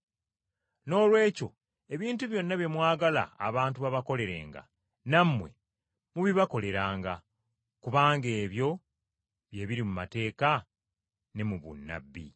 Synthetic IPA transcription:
no̞ːlwe̞ːco̞ | e̞βiːntuβjo̞nːaβje̞mwaːɡala̰ːβaːntuβaβako̞le̞ɾe̞̰ːŋɡa̰ | namːwe̞̰ | muβiβako̞le̞ɾaːŋɡa | kuβaːŋɡe̞ːβjo̞ | βje̞ːβiɾimumate̞ːka | ne̞muβṵnːa̰bːḭ

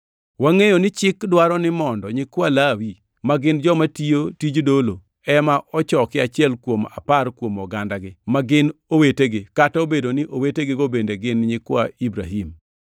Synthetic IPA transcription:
waŋejonɪt͡ʃɪkdwaɾɔnɪmɔndɔɲɪkwalawi | maɡɪnd͡ʒɔmatijotid͡ʒdolo | ɛmaʔɔt͡ʃɔkɪat͡ʃɪɛlkwoma̰parkwomɔɡandaɡɪmaɡɪnoweteɡɪkataobedonɪʔoweteɡɪɡobendeɡɪnɲɪkwaibɾaɦim

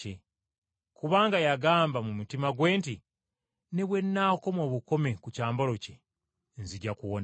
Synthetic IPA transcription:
e | kuβaːŋɡajaɡaːmbamumutimaɡwe̞ːnti | ne̞βwe̞nːaːko̞mo̞ːβuko̞me̞kucaːmboloce | nziɟakuwon

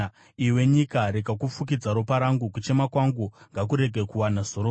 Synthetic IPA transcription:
iwe̞ɲikaɾikakufuk̬id͡zaɾupaɾaŋɡukut͡ʃe̞makwaŋɡuŋɡak̬uɾe̞ɡʱe̞kuwanaz̥oɾo

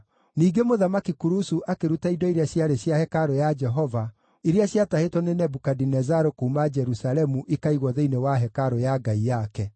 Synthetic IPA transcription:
niːɡemoðamakikuɾusuʔakeɾutaidɔiɾaɕjaɾeɕjahɛkaɾojad͡ʒɛɦɔva | iɾeaɕjatahetɔnenɛbukadinɛzaɾokuumad͡ʒɛɾusalɛmuʔikaiɣwɔðeinewaɦɛkaɾojaɡaijakɛ

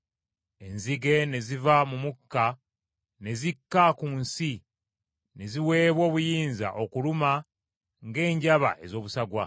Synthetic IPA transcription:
e̞nziɡe̞ne̞zivamumukːa | ne̞zikːakunsi | ne̞ziwe̞ːβwo̞ːβujiːnza̰ʔokuluma | ŋɡe̞ːɲɟaβa̰ʔe̞zo̞ːβusaɡwa

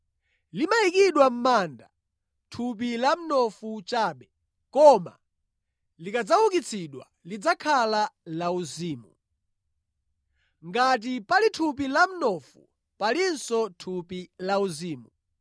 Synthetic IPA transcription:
limaikiɗwam̩manda | tʰup̬ilam̩nɔfut͡ʃaːɓɛ | kɔma̰ | likad͡zawukit͡sʰiɗwa̰ | lid͡zakʰalalauziːmu | ŋɡat̬ipalitʰup̬ilam̩nɔfṵ | palinsɔtʰupilauziːmu

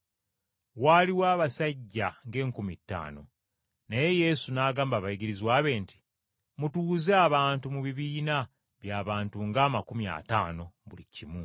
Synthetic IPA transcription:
waliwaːβasaɟːaŋɡe̞ːŋkumitːa̰ːno̞̰ | naje̞je̞sunaːɡaːmbaβajiɡiɾizwaːβe̞ːnti̥ | mutuːzeaβaːntumuβiβiːna | βjaːβaːntuŋɡaːmakumja̰ːtaːno̞βulḭcimu

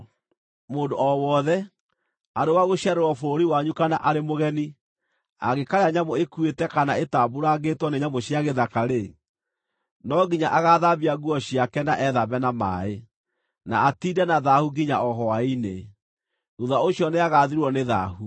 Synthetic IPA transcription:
moːndoɔwɔðɛ | aɾewaɣoɕiaɾeɾwɔfoɾiwaɲukanaʔaɾemoɣɛni | a̰ɣekaɾeaɲamoekuetɛkanaetaboɾaɡetwɔneɲamoɕiaɣeðakaɾe | nɔɡiɲaʔaɣaðabiaɣuɔɕjakɛnaʔɛðaβɛnama̰e | na̰ːtidɛnaðahuɡiɲaɔɦɔwaine | ɾuðaoɕiɔneaɣaðiɾwɔneða̰hu

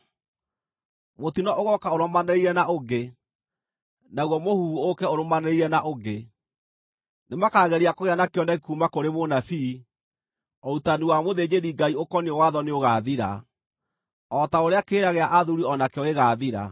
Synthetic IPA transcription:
motinɔʔoɣɔkaoɾɔmanɛɾiɾɛnaʔoɡe | naɣwɔmohuokɛoɾomanɛɾiɾɛnaʔoɡe | nemakaːɣɛɾiakoɣeanakeɔnaɣekumakoɾemonafi | ɔutanuwamoðed͡ʑeɾiɡaiokɔneowaðɔneoɣaðiɾa̰ | ɔtaoɾeakeːɾaɣeaʔaðuɾiɔnakɛɔeɣaðiɾa̰

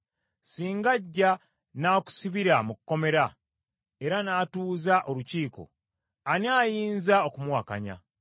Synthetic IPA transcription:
siːŋɡaɟːa | naːku̥siβiɾamukkːo̞me̞ɾa | e̞ɾanaːtuːzaʔo̞luciːko̞̰ | aniaːjiːnzaokumwaka̰ɲa̰

